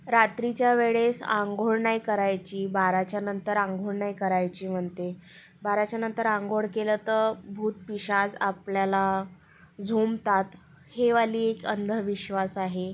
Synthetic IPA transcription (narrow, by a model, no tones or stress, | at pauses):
ɾat̪ɾit͡ɕjaʋeɭesã̰ŋɡʱoɭɳajkəɾajt͡ɕiːbaɾat͡ɕjanənt̪əɾãŋɡʱoɽɳajkəɾajt͡ɕiːm̤əɳt̪e | baɾat͡ɕjanənt̪əɾãŋɡʱoɽkelət̪əɾbʱuːt̪̚piɕad͡zapljala | d͡zʱomt̪at̪ | heʋaliːekə̰nd̪ʱəʋiɕʋasaɦe